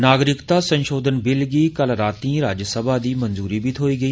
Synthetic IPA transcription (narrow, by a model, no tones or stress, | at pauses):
naːɡɾɪkt̪asɐ̃nʃoːd̪ʱənbɪlɡiːkəlɾaːt̪ĩːɾaːd͡ʒəsəbʱad̪iːmɐ̃nzuːɾibʱit̪ʰoːiːɡɐiː